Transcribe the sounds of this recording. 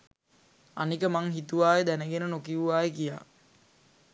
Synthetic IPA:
a̰nikəmaŋɦit̪uʋaːjed̪ænəɡenənokiuʋaːjekija̰ː

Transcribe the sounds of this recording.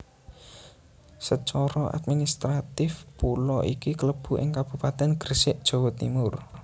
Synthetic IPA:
sət͡ʃɔɾɔʔa̰d̪̚minist̪ɾat̪ɪfpulɔikikələb̥ṳʔɪ̰ŋkab̥ṳpat̪ɛnɡ̥ərsɪʔd̥ʒ̥o̤wot̪ḭmʊr

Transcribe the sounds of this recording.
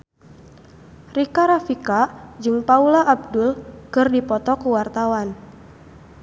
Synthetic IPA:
rikaɾafikad͡ʒɨŋpaulaʔːb̚dʊlkɨrdipɔt̪ɔkuwart̪awan

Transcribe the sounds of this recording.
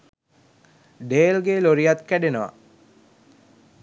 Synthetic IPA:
ɖeːlɡeloɾijat̪kæɖenəʋɐ̰

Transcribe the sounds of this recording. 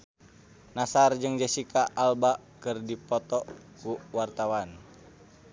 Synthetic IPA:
nasard͡ʒɨŋd͡ʒasikaʔːlbaʔ | kɨrdipɔt̪ɔkuwart̪awan

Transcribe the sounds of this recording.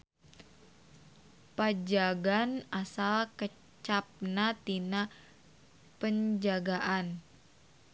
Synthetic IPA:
pad͡ʒaɡanasalkə | t͡ʃap̚nat̪ina | pəɲd͡ʒaɡaʔan

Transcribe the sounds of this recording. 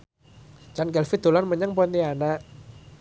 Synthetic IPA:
t͡ʃanɡɛlfit̪d̪̥olanməɲaŋpɔint̪ianaʔ

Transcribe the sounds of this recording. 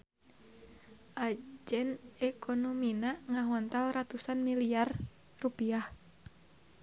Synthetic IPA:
ʔad͡ʒɛnɛkʰonɔminaŋaɦɔnt̪alrat̪usanmiliar | rupiah

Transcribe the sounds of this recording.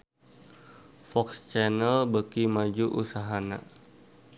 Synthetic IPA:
fɔkst͡ʃɛnəlbəkimad͡ʒuʔusaɦana̰

